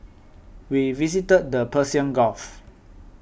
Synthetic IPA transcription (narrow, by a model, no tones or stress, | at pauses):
wivisitət̚dəpʰəsiə̃nɡɔf